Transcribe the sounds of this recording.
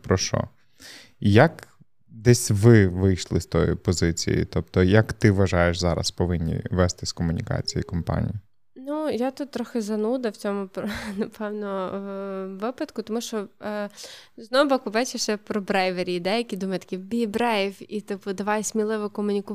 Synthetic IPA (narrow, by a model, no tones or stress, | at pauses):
pɾɔʃɔ̰ | jɐk | d̪ɛsʲʋɪʋɪjʃlˠɪst̪ɔ̰jḭpɔzɪt͡sʲḭjḭt̪ɔp̚t̪ɔjɐkt̪ɪʋɐʒɑjeʃzɑɾɐ̰spɔʋɪnʲːḭʋɛst̪ɪskɔmʊnʲikɑ̰t͡sʲijikɔmpɑ̰nʲḭji | nujat̪ut̪̚ːɾɔxɪzɐnud̪ɐwt͡sʲɔmʊpnɐpʰɛwnɔ | ʋɪpɐt̪kʊt̪ɔmuʃt͡ʃɔ | znɔɦʊbɔkʊʋɛt͡ʃɪʃɛpɾɔbɾɛjʋeɾʲid̪ɛjɐkʲid̪umɐjt̪ɐ̥kʲibʲibɾɛjfit̪ɪpʊd̪ɐʋɑjsʲmʲilˠɪʋɪkɔmʊnʲikʊ